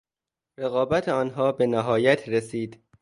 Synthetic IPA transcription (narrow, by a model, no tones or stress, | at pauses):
ɾeɣɒːbæt̪ʰeɒːnɦɒːbe̞næɦɒːjæt̪ʰɾesiːd̪̥